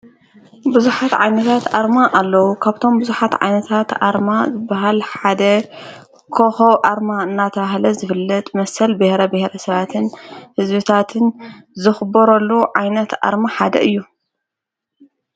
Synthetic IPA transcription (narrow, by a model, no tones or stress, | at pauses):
bɨzuħat̪ʕajnɐt̪ʰat̪ʔaɾmaʔalːɐwukʰaβt̪ʰo̞mbɨzuħat̪ʕa̰jnɐt̪ʰat̪ʔa̰ɾmazɨbːaɦalħad̪ɐ | kʰoxowʔaɾmaɨnːat̪ʰɐβahlɐzɨfɨlːɐt̪mɐsɐlbɨhɾɐbɨhɾɐsɐβat̪ʰɨnhɨzbɨt̪ʰat̪ʰɨnzɨxɨbɐɾolːuʕajnɐt̪ʔa̰ɾmaħad̪ɐ̰ʔɨjːu